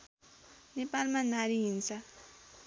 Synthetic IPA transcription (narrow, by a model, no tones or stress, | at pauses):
nepalmanaɾiɦint͡sʰʌ